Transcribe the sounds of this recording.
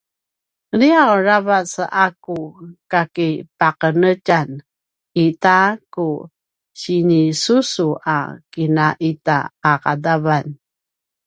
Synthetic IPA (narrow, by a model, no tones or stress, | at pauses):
liawɾavasʔakukakipaqənəcan | itaku | ɕinisusuʔa̰kinaʔita̰ːqadavan